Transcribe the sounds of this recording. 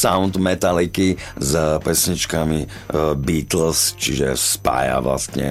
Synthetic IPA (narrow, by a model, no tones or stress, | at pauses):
saʊnd̪mɛt̪alikizpɛsɲit͡ʃkami | biːt̪l̩st͡ʃiʒɛ̰spa̰ːja̰ʋla̰st̪ɲɛ̰